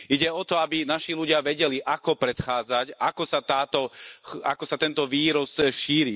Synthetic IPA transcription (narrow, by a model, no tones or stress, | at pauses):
iɟɛɔt̪ɔabinaʃiluɟɪaʋɛɟɛliʔakɔpɾɛt̪xaːd͡zacʔakɔsat̪aːt̪ɔa̰kɔsat̪ɛnt̪ɔʋiːɾɔsʃiːɾi